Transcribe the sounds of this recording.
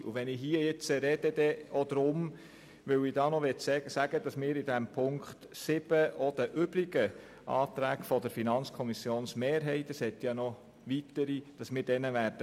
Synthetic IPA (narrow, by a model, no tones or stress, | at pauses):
ṵʋɛnɪɦiəjɪt͡səɾɛd̥̪əd̥̪ɛɔd̪ɾʊm | ʋɵwɪdɑːnɔʋɛtsɛsæɡ̥əd̥ɑsmɪːɾɪdæmpʰʊŋkχt̪sɪb̥əʔɔd̥̪əʔʏbliɡə | ʔɑ̰ːt̪ɾæːɡfɔdəɾfinɑnt͡skʰɔmisjoːnsmeːɾɦɛɪtəshɛt̪jɑnɔ | ʋit̪əɾid̥ɑsmɪːɾd̥ɛnəʋæːɾd̥ə